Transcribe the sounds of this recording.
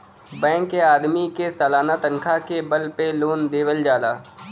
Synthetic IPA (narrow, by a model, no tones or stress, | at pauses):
bɛ̃ːkːeaːd̪mikesaːlaːnat̪ə̃ŋkʰakebəlpeloːnd̪eːʋəld͡ʒaːlaː